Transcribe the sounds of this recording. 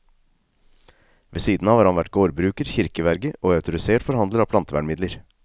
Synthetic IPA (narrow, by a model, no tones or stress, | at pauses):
ʋeːsiːd̪n̩ɑːʋhɑɾhɑnʋæʈɡoːɾbɾʉːkəɾçɪɾkəʋæɾɡəʔoːɑʉt̪ʊɾɪseːʈfɔɾhɑnd̪ləɾɑːpʰlɑnt̪əʋæ̰ɳmɪd̪ləɾ